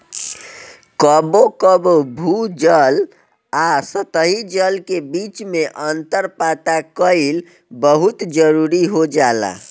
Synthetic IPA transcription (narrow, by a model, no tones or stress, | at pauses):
kəbokəbobʱud͡ʒəl | asət̪əɦid͡ʒəlkebit͡ʃmeʔənt̪əɾpat̪akəil | bəɦut̪d͡ʒəɾuɾiɦod͡ʒala̰